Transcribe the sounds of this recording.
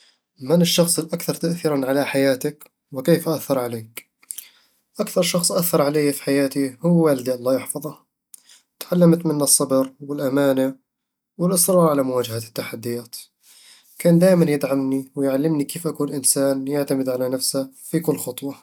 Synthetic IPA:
manɪʃːɑxsˤɪlʔakθɑɾˤt̪aʔθiːɾanʕalaħajaːt̪ak | wɪkeːfʔaθːɑɾˤʕaleːk | ʔakθɑɾˤʃɑxsˤʔaθːɑɾˤʕalejafi̥ħajaːt̪ihʊwːwaːlɪd̪iʔɑlˤːɑːjɪħfɑðˤɑ | t̪ʕalːamt̪mɪnːɑsˤːɑbɨɾwɪlʔamaːna | wɪlʔɪsɾˤɑːɾˤʕalamʊwaːd͡ʒahat̪ːaħad̪ːɪjaːt̪ | kaːnd̪aːʔɪmanjɪd̪ʕamniwɪjʕalːɪmnikeːfʔakuːnlʔɪnsaːnjaʕt̪amɪd̪ʕalanafsa | fikʊlːxɑt̪ˤwɑ

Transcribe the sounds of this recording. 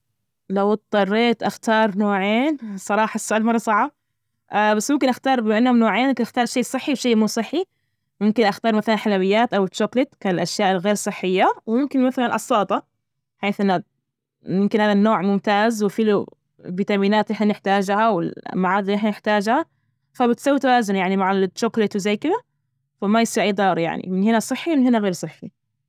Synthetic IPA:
lawt̪̚t̪ˤːɑrˤːeːt̪ʔaxt̪ɑːɾˤnoːʕeːnsˤɑɾˤɑːħɑsːʊʔaːlmɑrˤːɑsˤɑʕːa | ʔbasːmʊmkɪnʔaxt̪ɑːɾˤbʔanːhʊmnoːʕeːnʔʊmkɪnʔaxt̪ɑːɾˤʃeːsˤɨħːiwʃeːʔmuːsˤɨħːi | mʊmkɪnʔaxt̪ɑːɾˤmaθalanħalawɪjːaːt̪ʔawɪt̪ʃʊklɪt̪kaɪlʔaʃjaːʔɪlɣeːɾsˤɨħːɪjːawmʊmkɪnmaθalanlʔɑsˤːɑːt̪ˤɑ | ħeːθʔɪnːa | mɪmkɪnhaːðanːoːʕmʊmt̪aːzwɪfiːlu | biːt̪aːmiːnaːt̪ʔɪħnanɪħt̪aːd͡ʒhawɪ̰lmaʕɑːd̪ˤʔɪħnanɪħt̪aːd͡ʒha | fabɪt̪sawːit̪awaːzʊnjaʕnimaʕat̪ʃʊklɪt̪wɪzajːkɪd̪a | famajsˤiːɾʔijːd̪ˤɑːɾˤja̰ʕnḭmɪnhɪnasˤɨħːiwmɪnhɪnaɣeːɾsˤɨħːi

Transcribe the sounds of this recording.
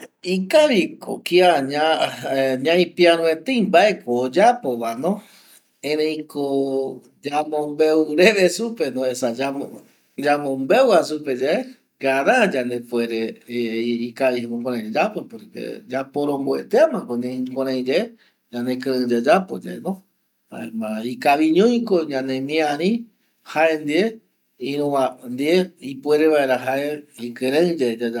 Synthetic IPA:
ikaʋiko̰kiaɲã | ɲãĩpiaɾũet̪eijmbaʔekoːd͡ʒapoʋanõ | ẽɾẽj̃kʰo | d͡ʒamõmbewɾeʋesupenõesad͡ʒao | d͡ʒamõmbewasuped͡ʒee | kaɾãd͡ʒand̪epweɾe | ikaβimõkõɾãĩd͡ʒed͡ʒapopoɾkḛd͡ʒapoɾõmbwḛt̪eamãkonẽkʷõɾ̃ãj̃d͡ʒee | d͡ʒãnekɨɨ̃d͡ʒad͡ʒapo̰d͡ʒḛnõ | ha̰emãikaβiɲõj̃koɲãnẽmĩãɾĩ | haend̪ie | ĩɾũãnd̪ieipweɾeβaeɾaɦaeikɨɾẽɨd͡ʒed͡ʒaa

